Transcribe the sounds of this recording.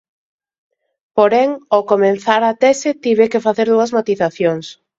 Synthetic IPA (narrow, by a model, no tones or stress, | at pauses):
poɾɛŋokomẽnθaɾat̪ɛset̪iβekɪfaθeɾðuɐzmat̪iθaθjoŋs